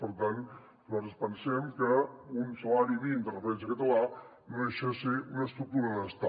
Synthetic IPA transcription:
pəɾt̪an | zɔt̪əspənsɛmkəunsəlaɾiβind̪ərəfəɾɛns̬əkət̪əla | noeʃesiunəst̪ɾuk̚t̪uɾəðəst̪a

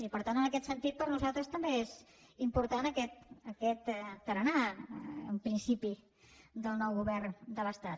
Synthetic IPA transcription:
ipəɾt̪anənəkɛt̪sənt̪it̪̚pəɾnuzalˠt̪ɾəst̪əmbeez | impuɾt̪anəkɛt̪əkɛt̪ːəɾənaə̰mpɾinsipi | d̪əlˠnɔwɣuβɛrnd̪ələst̪at̪̚

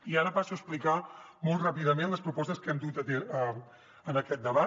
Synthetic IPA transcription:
iaɾəpasuəsplikamɔlˠtrapiðəmenləspɾupɔst̪əskɛmd̪ut̪ət̪ɛə | ənəkɛt̪̚d̪əβat̪

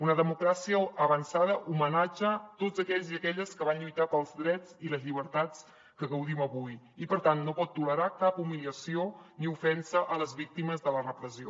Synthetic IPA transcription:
unəðəmukɾasiəːβənsaðəʔumənad͡ʒət̪ozəkɛʎziəkɛʎəskəβ̞anʎujt̪apəlˠzðɾɛt͡siləzʎiβ̞əɾt̪at͡s | kəɣəwðiməβuj | ipəɾt̪anːopɔt̪ːuləɾakapumiliəsioniufɛnsəʔələzβik̚t̪iməzðələrəpɾəzio

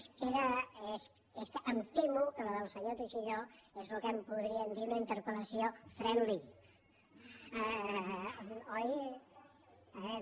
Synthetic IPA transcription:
skeɾəes | eskəəmt̪emukələðəlˠsəɲot̪eʃiʎoezlukəmpuðɾiəmd̪iunəint̪əɾpələsiofɾɛnli | ɔj | βɛ

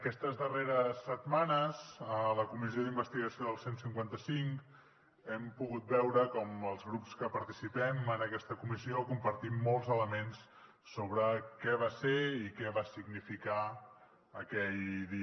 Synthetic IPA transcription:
əkɛst̪əzðəreɾəsːət̪manəzələkumizioðimbəst̪iɣəsioðəlˠsensiŋkwant̪əsiŋk | ɛmpuɣut̪̚bɛwɾəkɔməlˠzɣɾupskəpəɾt̪isipɛmənəkɛst̪əkumiziokumpəɾt̪imːɔlˠzələmensː | oβɾəkɛβaseikɛβasiɡnifika | əkɛʎd̪i

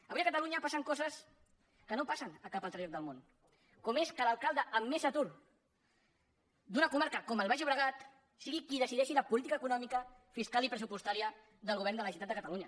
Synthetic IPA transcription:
əβujəkət̪əluɲəpasəŋkɔzəs | kənopasənəkapəlˠt̪ɾaok̪̚d̪əlˠmon | kɔmeskəlalˠkalˠd̪əʔəmːezət̪uɾ | d̪unəkumaɾkəkɔməlˠβaʒəβɾəɣ̞at̪ | siɣikiðəsiðɛʃiləpulit̪ikəːkunɔmikəfiskalipɾəs̬upust̪aɾiə | ðəlˠɣuβɛɾnd̪ələsit̪at̪d̪əkət̪aluɲə

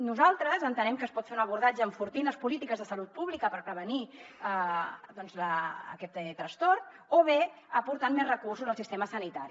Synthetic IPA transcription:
nuzalˠt̪ɾəzənt̪ənɛmkəspɔt̪feunəβ̞uɾðad͡ʒəːɱfuɾt̪inləspulit̪ikəzðəsəlut̪̚puβlikəpəɾpɾəβəni | d̪ɔnzləə̰kɛt̪ːɛt̪ːɾəst̪ɔrt̪ | oβeəpuɾt̪anmːezrəkursuzəlˠsist̪eməsənit̪aɾi

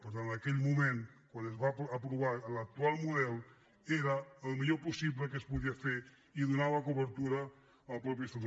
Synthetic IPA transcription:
pəɾt̪anakeʎmumẽnkwanezβaːpɾuβaɾlak̚t̪ualˠmuðɛl | eɾɐːlmiʎopusiβləkəspuðiafeɾ | iðunaβɐkuβəɾt̪uɾɐː | lpɾɔp̬jəsun

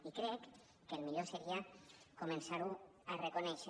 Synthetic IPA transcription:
ikɾɛkː | elmiʎoseɾiakomẽnsaɾuarekonɛʃ

